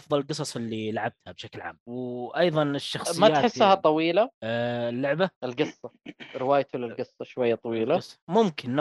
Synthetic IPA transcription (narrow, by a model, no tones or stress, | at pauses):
ʔɑfðˤɑlɪlqɨsˤɑsˤɪlːilʕab̚t̪habʃaklʕa̰ːmwʔɑjðˤɑnɪʃːɑxsˤɨmatːaːħɪsːhat̪ˤːɑwiːlaɪlːʊʕbaʔɪlɡɨsˤːɑɾɪwaːjt̪ulɪlɡɨsˤːɑʃwajːat̪ˤɑwiːlasˤːmʊmkɪnː